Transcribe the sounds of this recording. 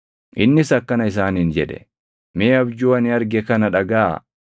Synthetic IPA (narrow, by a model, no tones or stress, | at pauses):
ʔɪnːɪsɐkːɐnɐɪs̬aːniːnd͡ʒɛᶑɛ̥̰ | meːɐbd͡ʒuːɐnɪɐɾɡɛkɐnɐᶑɐɡa̰ː